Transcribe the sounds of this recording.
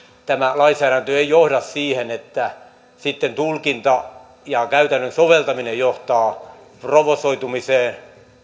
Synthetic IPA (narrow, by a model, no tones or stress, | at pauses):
t̪æmælɑinsæːɾænt̪øeijohdɑssiːhenet̪ːæ | sit̪ːent̪ulkint̪ɑ | jɑkæyt̪ænːønsoʋelt̪ɑminejjoht̪ɑː | proʋosoit̪umiseːn